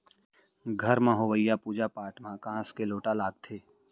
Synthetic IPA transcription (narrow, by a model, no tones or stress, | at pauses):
ɡʱəɾmãɦoʋəjːapuːd͡ʒapaːʈmãkãskeloːʈalaːɡ̚t̪ʰeː